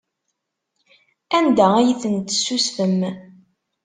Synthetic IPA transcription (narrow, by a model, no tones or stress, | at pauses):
ænd̪ææjiθənt̪ːə̥susfəm